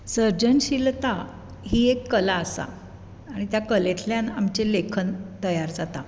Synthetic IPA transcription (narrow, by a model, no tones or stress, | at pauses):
səɾd͡ʑənɕilt̪a | ɦiːekːəlaəsa̰ː | ɽ̃it̪jakəlet̪ʰljãnamt͡ɕelekʰənt̪əjaɾd͡zat̪a